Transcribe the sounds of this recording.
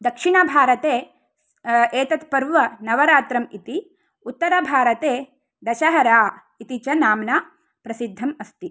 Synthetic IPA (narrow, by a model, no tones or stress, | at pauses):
d̪ɐkʂiɳɐbʱaːɾɐt̪eː | eːt̪ɐt̪pɐɾʋɐnɐʋɐɾaːt̪ɾɐmit̪i | ut̪ːɐɾɐbʱaːɾɐt̪eː | d̪ɐʃɐɦɐɾaː | it̪it͡ʃɐnaːmna | pɾɐsid̪ʱːɐmɐst̪i